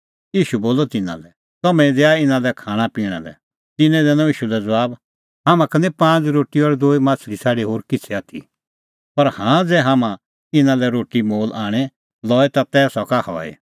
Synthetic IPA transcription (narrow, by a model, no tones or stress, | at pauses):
iːʃuboːlɔt̪ɪnã̰lɛ | t̪ɐmɛ̃ĩd̪eaɪnãlɛkʰaːɽ̃ãpiːɽ̃ã̰lɛ̰ | t̪ɪnɛ̃d̪ɛːnɔ̃iːʃulɛd͡zɐʋaːb | ɦaːmãkɐnɛ̃pãːd͡zɾoːʈiɔɾd̪oːimãːt͡sʰɾisʰaːɽeɦoːɾkɪt͡sʰɛaːt̪ʰḭ | pɐɾhãːd͡zɛːɦamã | ɪnãlɛɾoːʈimoːlʔaːɽ̃ɛ | lɔːɛt̪at̪ɛːsɔkahɔ̰ːḛ